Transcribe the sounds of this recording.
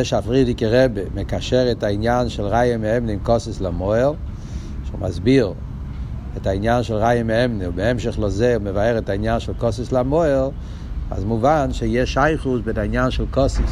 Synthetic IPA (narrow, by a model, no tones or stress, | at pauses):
ɛʃafʁidɪkəʁɛbemekaʃɛʁətainjanʃɛlˠʁajəmeɛmnimkɔsɪslamoɛlˠ | ʃṵmʔa̰zbiʁ | ɛtainjanʃɛlˠʁajəmeɛmniubeɛmʃəχlozeuməvahɛʁɛtainjanʃɛlˠkɔsɪslamɔɛlˠ | a̰zmuvanʃejɛʃaɪχusbedainjanʃɛlˠkɔsɪs